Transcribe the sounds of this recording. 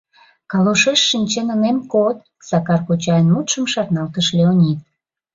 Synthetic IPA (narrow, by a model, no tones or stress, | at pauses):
kɑloʃeʃːinʲt͡ɕenənemkot̪̚ | sɑkɑrkot͡ɕɑjənmut̪ʃəmʃɑrnɑlt̪əʃleonʲit̪̚